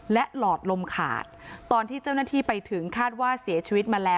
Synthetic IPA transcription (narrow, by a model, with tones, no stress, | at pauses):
lɛ˦˥ʔlɔː˨˩t̪̚lo˧mkʰa̰ː˨˩t̪̚ːɔː˧nt̪ʰiː˥˩t͡ɕa˥˩wna˥˩t̪ʰiː˥˩pa˧jt̪ʰɯ˩˦ŋkʰaː˥˩t̪̚waː˥˩si˩˦ɐt͡ɕʰiː˧wi˦˥t̪̚maː˧lɛː˦˥